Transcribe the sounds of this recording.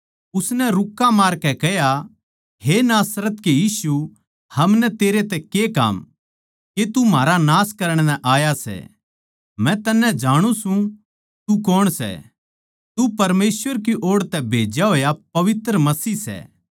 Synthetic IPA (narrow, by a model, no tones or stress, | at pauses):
ʊsnɛɾʊkːamaːɾkɛkɛɦja | ɦenaːsɾət̪kejiːsu | hɐmnɛt̪eːɾet̪ɛkeka̰ːm | ket̪umaːɾanaːskɐɾəɽ̃nɛ̃ʔaːjasɛ̰ | mɛ̃t̪ɐnːɛ̃d͡ʒaːɽ̃ũsũ | t̪ukɔːɽ̃sɛ̰ | t̪upɐɾmeːsʋəɾk̬iʔoːɽt̪ɛbʱeːd͡ʒjaɦoːjapɐʋɪt̪ɾəmɐsiːsɛ̰ː